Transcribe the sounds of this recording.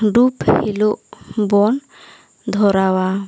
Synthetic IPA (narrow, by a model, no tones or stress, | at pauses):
ɖuphiluʔbɔn | d̪ʱɔɾawa